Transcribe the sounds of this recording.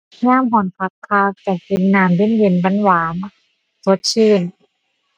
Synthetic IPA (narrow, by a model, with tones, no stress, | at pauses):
ɲaː˧˥˨mɦɔ˨˩npʰa˧˥kʰːaː˧˩k̚t͡ɕa˨˩i˧˦nːaː˨˩mde˧˥˨nje˨˧˩nba˧˥˨nwaː˨˦m | so˧˦t̪̚t͡ɕʰɯː˧˩n